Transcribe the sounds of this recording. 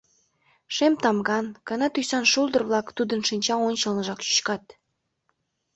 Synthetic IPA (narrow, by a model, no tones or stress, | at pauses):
ʃemt̪ɑmɡɑnkɑnɑt̪ysɑnʃulˠd̪ə̆rβlˠɑkt̪ud̪ənʃinʲt͡ɕɑonʲt͡ɕəlnəʒɑkɕy̥t͡ɕkɑt̪̚